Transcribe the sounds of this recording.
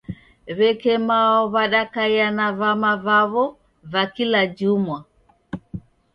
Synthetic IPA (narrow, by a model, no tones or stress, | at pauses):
βɛkɛmaɔβaɗakaijanaβamavaβɔ | vakilad͡ʒumwa